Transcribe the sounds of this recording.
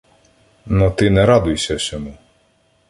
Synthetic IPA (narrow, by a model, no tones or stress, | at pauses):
nɔt̪ɪnɛɾɑd̪ʊjsʲɐsʲɔmu